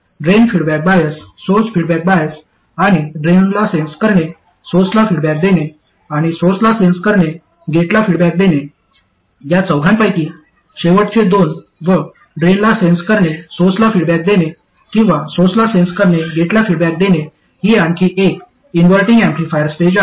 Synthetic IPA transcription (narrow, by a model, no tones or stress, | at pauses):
ɖɾenfiɽbæk̚bajəsːosfiɽbæk̚bajəs | aɽ̃iɖɾenlasẽnskəɾɳe | sot͡slafiɽbæk̚d̪ene | aɽ̃isoslasẽnskəɾɳe | ɡʱeʈlafiɽbæk̚d̪ene | jat͡səwɡʱãmpajk̪iː | ɕeʋəʈt͡sed̪on | ʋə | ɖɾenlasenskəɾɳesoslafiɽbɛk̚d̪ene | kĩw̃ʋasot͡slasenskəɾɳeɡʱeʈlafiɽbæk̚d̪ene | ɦiaɳkiʔek | inʋəlʈiŋɡɛ̃mplifajəɾsʈed͡ʑa